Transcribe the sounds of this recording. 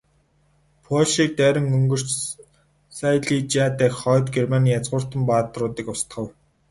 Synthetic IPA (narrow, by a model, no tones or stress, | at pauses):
pʰɔɮʃiːk̚t̪æːɾʲə̆ŋɵŋɡɵ̆r̥t͡ɕ | sajɮiːt͡ɕaːt̪æːkχɔːt̪ɡermaniːjat͡sʁʊːr̥t̪ə̆mpaːt̪rʊːt̪iːkʊst̪χə̆w